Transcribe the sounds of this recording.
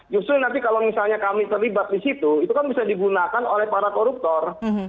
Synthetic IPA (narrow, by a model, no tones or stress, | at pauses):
d͡ʒust̪ɾʊnant̪ikalomisalɲakamit̪ərlibat̪̚disit̪uit̪ukanbisadiɡunakanolɛhpaɾakoɾup̚t̪ɔr